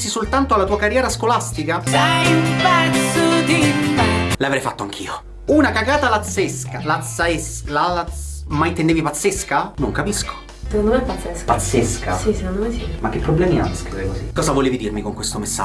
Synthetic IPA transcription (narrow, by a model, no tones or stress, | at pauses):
sisolt̪ant̪oalːat̪uːakarjɛːɾaskolast̪ikasɛjmpɛnsot̪i | lavɾɛjfat̪ːoaŋk̟ʰiːo | unakakaːt̪alat̪seskalat̪saeslalamaint̪endeːvipat̪sːeskanoŋkapisko̥ | t̪nd̪onɛpat̪seskpat̪seska̰sisekond̪omesimak̟ːepːɾoblɛːmia̰skɾiveɾekozikɔːzavoleːvid̪irmikoŋkwest̪omesːa̰